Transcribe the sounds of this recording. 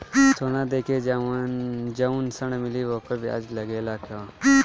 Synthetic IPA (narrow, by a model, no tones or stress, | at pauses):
t̪ʰoːnaːd̪eːkʰed͡ʒaʋand͡ʒɐunsəɳmɪliʋoːkobʱia̰d͡ʒlɐɡeːlaːkjoː